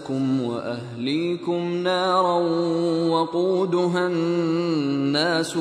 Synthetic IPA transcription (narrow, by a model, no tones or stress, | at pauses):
kʊmwa̰ʔahliːkʊmnaɑːɾˤɑ | wɑquːd̪ʊɦanː | aːs